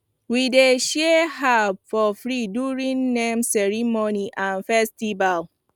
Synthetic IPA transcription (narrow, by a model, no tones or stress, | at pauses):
wideʃɛɦabfɔfɹiduɹĩnːɛ̃msɛɹimoniʔãnfɛstival